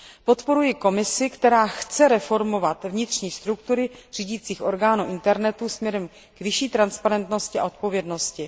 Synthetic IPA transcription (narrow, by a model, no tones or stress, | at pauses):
po̞t̪po̞ɾujɪko̞mɪsɪkt̪ɛɾaːxt͡sɛɾɛfo̞ɾmo̞vat̪vɲɪt̪r̝̥ɲiːst̪ɾukt̪uɾɪr̝iːɟiːt͡siːxʔo̞ɾɡaːnuʔɪnt̪ɛɾnɛt̪usmɲɛɾɛm | kvɪʃiːt̪ɾanspaɾɛnt̪no̞scɪa̰o̞t̪̚po̞vjɛdno̞scɪ